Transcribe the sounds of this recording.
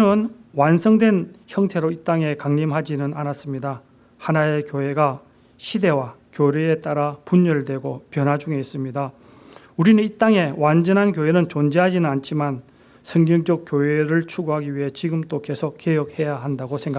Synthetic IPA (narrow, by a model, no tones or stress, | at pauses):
nɯnwansʰʌŋdwe̞nçjʌŋtʰe̞ɾoit͈aŋe̞kaŋɲimɦad͡ʑinɯnanas͈ɯmɲida | hanae̞kjoe̞ɡa | ɕʰide̞wakjoɾeːt͈aɾapuɲːʌɭdwe̞ɡopjʌnɦad͡ʑuŋeis͈ɯmɲida | uɾinɯnit͈aŋe̞wand͡ʑʌnɦankjoenɯnt͡ɕond͡ʑeɦad͡ʑinɯnant͡ɕʰiman | sʰʌŋɲʌŋd͡ʑʌk͈̚joeɾɯɭt͡ɕʰuɡoɦaɡiɥiɦe̞t͡ɕiɡɯmt͈oke̞sʰok̚kejʌk̚he̞jaɦandaɡosʰeŋɡa